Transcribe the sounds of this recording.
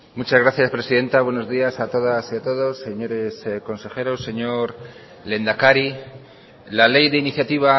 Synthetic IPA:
mut͡ʃazɣɾaθjaspɾe̞siðe̞nt̪aβwe̞no̞zðiasat̪o̞ðasiat̪o̞ðo̞sːe̞ɲo̞ɾe̞sko̞nse̞xe̞ɾo̞sːe̞ɲo̞ɾ | le̞nd̪akaɾi | lale̞jðe̞iniθjat̪iβ̞a

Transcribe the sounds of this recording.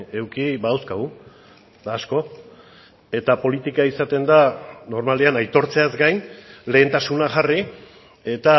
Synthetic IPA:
e̞wkibaawskaɣu | d̪aːsko̞ | e̞t̪apo̞lit̪ikaisat̪e̞nd̪ano̞ɾmaleanajt̪o̞ɾt͡se̞azɡajnle̞ːnt̪asunaʝari | e̞t̪a

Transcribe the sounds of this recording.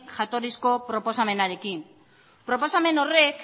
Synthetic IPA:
kʝat̪o̞ɾisko̞pɾo̞po̞same̞naɾe̞kim | pɾo̞po̞same̞no̞re̞k

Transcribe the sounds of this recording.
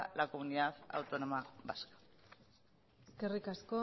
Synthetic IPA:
lakomuniðaða̰wt̪o̞no̞maβa̰skḁ | eske̞rikasko̞

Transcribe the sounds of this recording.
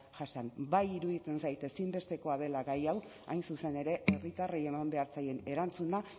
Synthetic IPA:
ʝasanbajiɾuðit͡se̞nsajt̪e̞simbe̞st̪e̞ko̞að̞e̞laɣajaw | a̰jnsuse̞ne̞ɾe̞ʔe̞rit̪arie̞mambe̞aɾt͡saje̞ne̞ɾant͡suna

